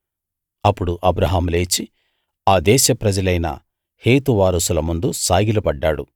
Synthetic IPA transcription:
ɐpːuɽuʔɐbɾɐɦaːmle̞ːt͡ʃi | aːd̪ɛːʃɐpɾɐd͡ʒɐlɐjnɐ̰ | he̞ːt̪uʋaːɾɐsulɐmund̪usaːɡilɐbɐɖːaːɽṵ

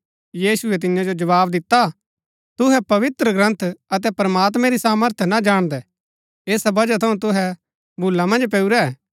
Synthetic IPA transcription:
jiːsʊɛt̪̬ɪjãd͡ʒod͡ʒɐʋaːbd̪ɪt̪ːa | t̪ʊɦɛpɐʋɪt̪ɾəɡɾə̃nt̪ʰɐt̪̬ɛpɾəmaːt̪mɛ̃ɾisaːməɾt̪ʰjnad͡ʒaːɽ̃d̪ɛ | eːsabɐd͡ʒat̪ʰɐũt̪̬ʊɦɛ | bʱʊlːamɐ̃nd͡ʒpɛːuɾɛ

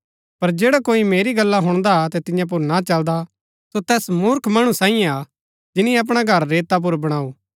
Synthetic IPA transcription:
pɐɾd͡ʒeːɽakoːimeːɾiɡɐlːaɦʊɽ̃d̪at̪ɛt̪ɪ̃jãp̬ʊɾnat͡ʃɐld̪a | sot̪ɛːsmʊɾkʰmɐɽ̃ũsãːĩjẽa | d͡ʒɪnĩɐp̬ɽ̃aɡʱɐɾːeːt̪ap̬ʊɾbɐɽ̃aːuː

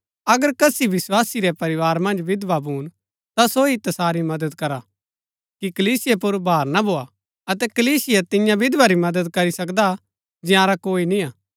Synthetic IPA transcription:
ɐɡəɾkɐsiʋɪswaːsiɾɛpɐɾɪʋaːɾmɐ̃nd͡ʒʋɪd̪ʋabʱuːn | t̪asoit̪ɐsaːɾimɐd̪əd̪kɐɾa | kikɐliːsɪjepʊɾbʱaːɾnabʱoːa | ɐt̪ɛkɐliːsɪjet̪ɪjãbʱɪd̪ʋaɾimɐd̪əd̪kɐɾisɐkd̪a | d͡ʒɪjãːɾakoːinĩaː

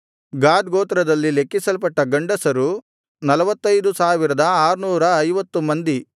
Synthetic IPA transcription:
ɡaːd̪ɡoːt̪ɾɐd̪ɐlːilekːisɐlpɐʈːɐɡɐɳɖɐsɐɾu | nɐlɐʋɐt̪ːɐjd̪usaːʋiɾɐd̪ɐaːɾunuːɾɐːjʋɐt̪ːumɐnd̪i

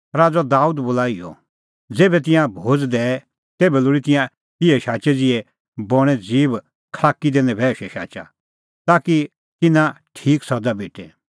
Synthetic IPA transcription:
ɾaːd͡zad̪aːuːd̪bolaːijɔ̰ | d͡zeːbɛt̪̬ɪ̃jãbʱoːd͡zd̪ɛɛ | t̪eːbɛlʊːɽit̪ɪ̃jã | ɪɛʃaːt͡ʃɛd͡zɪɛ | bɔɽ̃ɛd͡ziːb | kʰlaːkid̪eːnɛ̃bʱɛːʃɛʃa̰ːt͡ʃa̰ | t̪aːki | t̪ɪnãʈʰiːksɔd̪abʱeːʈɛ

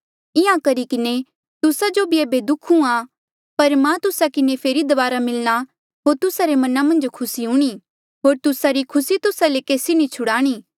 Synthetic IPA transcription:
ɪãkɐɾikɪne | t̪ʊsad͡ʒobʱieːbed̪ʊkʰũa | pɐɾmãt̪ʊsakɪnepʰeːɾid̪ɐʋaːɾamɪlɽ̃a | ɦoːɾt̪ʊsaɾemɐnamɐ̃nd͡ʒkʰʊsiɦʊɽ̃i | ɦoːɾt̪ʊsaɾikʰʊsit̪ʊsalekeːsinĩt͡ʃʰʊɽaːɽ̃iː

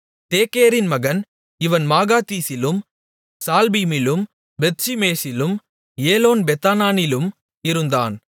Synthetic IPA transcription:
t̪eːkeːɾɪnmɐɣɐn | ɪʋɐnmaːɣaːt̪iːsɪlɯm | saːlbiːmɪlɯm | bɛt̪̚t͡ʃimeːsɪlɯm | eːloːnbɛt̪aːnaːnɪlɯm | ɪɾɯnd̪a̰ːn

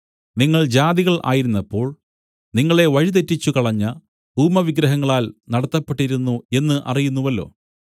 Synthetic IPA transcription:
niŋːɐɭd͡ʑaːd̪iɣɐɭʔa̰ːjiɾunːɐpːo̞ːɭ | niŋːɐɭe̞ʋɐɻit̪ɐtːit͡ɕːukɐɭɐɲːɐ | buːmɐʋiɡɾɐɦɐŋːɐɭaːlnɐɽɐt̪ːɐpːe̞ʈːiɾunːue̞nːɨʔɐ̰rijunːuʋɐlːo̞̰ː

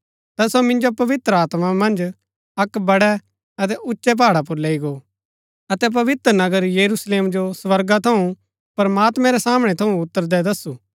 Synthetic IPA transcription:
t̪ɐsomɪ̃nd͡ʒopɐʋɪt̪ɾəaːt̪mamɐ̃nd͡ʒ | ɐkbɐɽɛ | ɐt̪ɛʔʊtːʃɛp̬aːɽap̬ʊɾleːiɡo | ɐt̪ɛp̬ɐʋɪt̪ɾnɐɡəɾjɐɾusleːmd͡ʒosʋɐɾɡat̪ʰɐũ | pɐɾmaːt̪mɛ̃ɾɛsaːmɽ̃ɛt̪ʰɐũʊt̪ːəɾd̪ɛd̪ɐsːuː

